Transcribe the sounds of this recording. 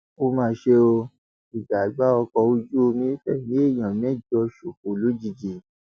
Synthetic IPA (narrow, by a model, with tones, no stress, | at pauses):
o˧mãː˧ʃe˧o˧ | i˨ɡ͡ba˨ɡ͡ba˦ɔ˧kɔ˧u˧d͡ʒu˦o˧mĩ˨˦fɛ̰˦˨nĩ˨˦e˦˨j̃ã˨mɛ̃˦˨d͡ʒɔ˧ʃu˨ko˨lo˦d͡ʒi˦˧˨d͡ʒi˨